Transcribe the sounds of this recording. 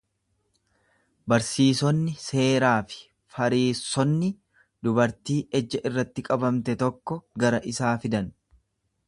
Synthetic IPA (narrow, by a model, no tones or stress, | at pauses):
bɐɾsiːsɔnːɪse̞ːɾaːfɪ̥ | fɐɾiːsːɔnːɪ | d̪ʊbɐɾt̪iːʔɛd͡ʒːɐʔɪrːɐt̪ːɪkʼɐbɐmt̪ɛt̪ɔkːɔɡɐɾɐʔɪsaːfɪd̪ɐn